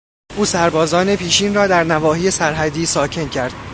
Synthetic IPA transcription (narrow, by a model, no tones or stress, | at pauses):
ʔuːsæɾbɒːzɒːne̞pʰiːʃiːnrɒːd̪æɾnævɒːhiːje̞sæɾɦæd̪iːsɒːcʰe̞ncʰæɾd̪̥